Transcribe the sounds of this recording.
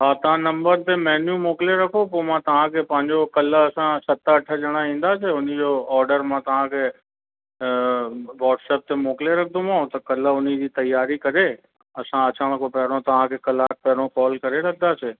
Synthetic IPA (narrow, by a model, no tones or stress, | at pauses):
ɦaːt̪ɐʋ̤ãnɐ̃mbəɾt̪emɛːnjũmoːkleɾɐkʰopoːmãt̪ɐʋ̤ãkʰepɐ̃ːɪ̃ɲd͡ʑokɐlɐsãsɐt̪əəʈʰəd͡ʒɐɽ̃aĩːn̆d̪aːseʊnid͡ʑoːɔːɾɖəɾmãt̪ɐʋ̤ãkʰeː | ʋɔːɖsɛːp̚t̪emoːkleɾɐk̚ʰd̪õmãːũt̪ɐkɐlʊnid͡ʑiːt̪ɐjːaːɾikɐɾe | ɐsãɐt͡ɕaɽ̃kʰopɛɦɽ̃õt̪ɐʋ̤ãkʰekɐlaːk̚pɛɦɽ̃õkɔːlkɐɾelɐk̚ʰd̪aseː